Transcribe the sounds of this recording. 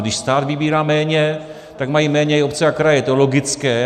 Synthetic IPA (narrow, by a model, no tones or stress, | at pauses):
ɡdɪʃst̪aːd̪vɪbiːɾaːmɛːɲɛ | t̪aɡmajimɛːɲɛopt͡sɛakɾajɛt̪olo̞ɡɪt͡skɛː